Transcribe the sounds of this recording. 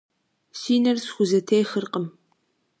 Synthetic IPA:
siːnɐrsxʷʊzɐtʰejxərqəm

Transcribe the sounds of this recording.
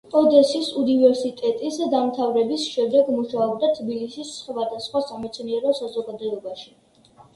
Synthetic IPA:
kʼɔd̪ɛsisunivɛɾsit̪ʼɛt̪ʼisd̪amt̪ʰavɾɛbisʃɛmd̪ɛɡmuʃaɔb̚d̪at̪ʰbilisisχvad̪asχwasamɛt̪sʰniɛɾɔsazɔɡad̪ɔɛbaʃi

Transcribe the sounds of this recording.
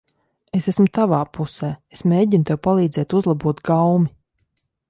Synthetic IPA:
esesmʊt̪avaːpʰusɛːesmʲeːɟint̪ɛwpalˠiːd̪zɛːt̪uzlˠabuɔt̪ɡawmi

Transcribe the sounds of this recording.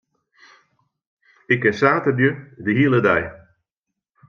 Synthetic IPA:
ɪkɛsaːtərdjødəɦiəlˠədɛj

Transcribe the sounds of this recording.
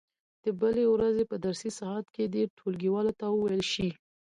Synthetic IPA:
d̪̥əbəlewɾazepəd̪aɾsisɑɦat̪ked̪eɾʈʰolɡiwɑlot̪awəwajəlʃi

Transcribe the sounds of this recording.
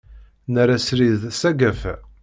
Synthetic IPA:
nəɾæsɾiððsæɡæf

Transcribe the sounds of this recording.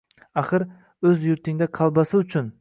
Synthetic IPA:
aχɨɾ | ɵzjʊɾt̪ʰɪŋd̪aqʰɑlˠbasɪʊt͡ʃʰʊn

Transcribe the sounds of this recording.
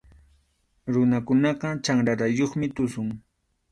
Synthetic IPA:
ɾʊnakʊnɑqɑt͡ʃaŋɾaɾajoχmɪt̪ʊsʊŋ

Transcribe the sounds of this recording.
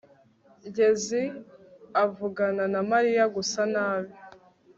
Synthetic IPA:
ɲɟe̞zi | avuɡananamaɾijaɡusanaːβi

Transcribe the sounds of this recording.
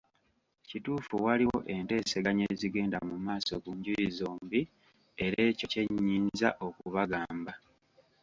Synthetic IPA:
cituːfuwaliwo̞̰ʔe̞nte̞ːseɡaɲe̞ːziɡe̞ːndamumaːso̞kuɲɟujizoːmbi | e̞ɾe̞ːco̞ce̞ɲːiːɲza̰ʔo̞kuβaɡaːmba

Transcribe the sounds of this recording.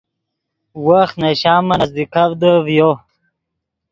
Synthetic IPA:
waxneɕaːmɐnɐzd̪ikavd̪əvjo

